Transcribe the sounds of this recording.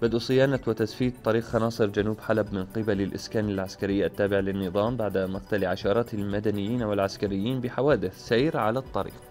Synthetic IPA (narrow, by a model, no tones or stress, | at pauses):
bɪd̪ʔusˤɪjaːnawɪt̪asfiːt̪ˤːɑɾiːqxɑnɑːsˤɨɾd͡ʒanuːbħalabmɪnqɪbalɪlʔɪskaːnalʕaskaɾɪjːat̪ːaːbɪʕlɪnːɨðˤɑːmbaʕd̪amʊqt̪aliʕaʃɑːɾˤɑːt̪ɪlmad̪anɪjːiːnwɪlʕaskaɾɪjːiːnbɪħawaːd̪ɪθsajɾʕalat̪ˤːɑɾḭːq